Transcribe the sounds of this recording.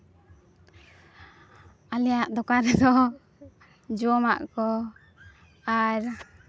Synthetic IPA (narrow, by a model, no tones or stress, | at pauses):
alɛjaʔd̪ɔkaɾɛd̪ɔ | d͡ʒuɔma̰ʔkɔ | aɾ